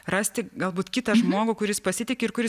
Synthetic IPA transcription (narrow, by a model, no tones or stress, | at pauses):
rɑːsʲt̪ʲɪɡɐlˠbuːt̪kʲɪt̪ɐʒmoːɡʊkʊɾʲɪspɐsʲɪt̪ʲɪkʲɪɾkʊɾʲɪs